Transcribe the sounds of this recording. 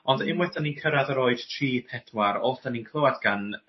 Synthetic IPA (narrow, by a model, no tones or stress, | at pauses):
ɔndɪmwɛdaninkʰəɾaðəɾoːɨd̥tʰriːpʰɛdwaɾɔlˠtaninkʰlˠowadɡ̥an